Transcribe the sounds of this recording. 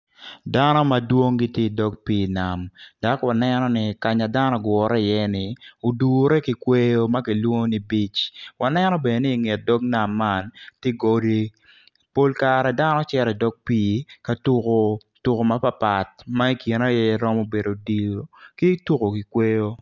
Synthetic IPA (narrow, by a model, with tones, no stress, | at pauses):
da˦nɔ˦ma˨dwo˦ŋɡɪ˦tje˦dɔ˦ɡ̚piː˦˨na˨md̥a˨kwa˨nɛnɔ˦nɪ˨ka˨ɲa˨da˦nɔ˦ɡwɔ˨ɾɛ˦ɪ˨jɛ˦nɪ˨o˨du˨ɾɛ˦ki˨kwe˦jo˦ma˦ki˨lwo˦ŋo˦ni˨bi˦t͡ʃwa˨nɛ˦nɔ˦be˨nɪː˦˨ŋe˨t̚dɔ˦k̚na˨mːa˦ntɪ˦ɡo˨de˦ | po˦lka˨ɾɛ˨da˦nɔ˦t͡ʃɛ˦ɾɛ˨dɔ˦ɡ̚piː˦ka˨tu˦ko˦ | tu˨ko˨ma˦pa˦pa˨t̚ma˦i˦ki˨na˦jɛ˦ɛ˦ɾɔ˦mo˦be˨do˨di˨o˨ki˦tu˦ko˨ki˨kwe˦jo˦